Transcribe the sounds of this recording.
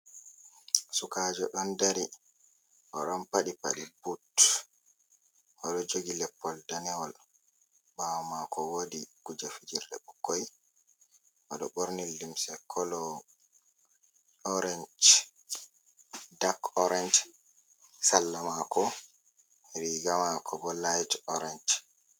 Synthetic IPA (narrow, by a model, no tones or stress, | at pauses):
sukad͡ʒɔɗɔndaɾi | ʔɔɗɔnpaɗipa̰ɗibut | ʔɔɗɔd͡ʒoɡilɛpːɔldanɛwɔl | ɓawmakɔwodikud͡ʒafid͡ʒiɾdɛ̰ɓukːoj | ʔɔɗɔɓoɾnilːimsɛkʰɔlɔ | ɔɾɛnd͡ʒt͡ʃ | dakɔɾɛnd͡ʒ | salːamakʰɔ | ɾiɡamakʰɔbɔlajdɔɾɛnd͡ʒ